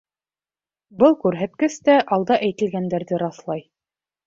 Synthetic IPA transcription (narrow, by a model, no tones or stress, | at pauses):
bɤlˠkʉɾɦæt̪kɘst̪æʔɑlˠd̪ɑʔæjt̪ɘ̆lɡænd̪æɾðɘɾɑθlˠɑj